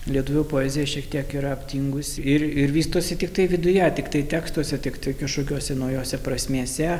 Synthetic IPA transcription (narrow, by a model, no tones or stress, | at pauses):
lʲiɛt̪ʊʋʲʊpoːɛzʲɪjɛʃʲiɛkt̪ʲiɛkiɾɐɐpʲt̪ʲiːŋɡʊsʲɪɪɾɪɾʋʲiːst̪uɔsʲɪt̪ʲɪk̚t̪ɐɪʋʲɪd̪ʊjɛt̪ʲɪkt̪ɐɪt̪ʲæːkst̪uɔsʲɛt̪ʲɪkt̪ɐɪkʲɪʃʊkʲuɔsʲɛnɐʊjoːsʲɛpɾɐsʲmʲiɛsʲɛ